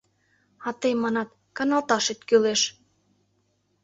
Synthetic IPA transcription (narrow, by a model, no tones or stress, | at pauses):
ɑt̪əjmɑnɑt̪ | kɑnɑlt̪ɑʃet̪kyleʃ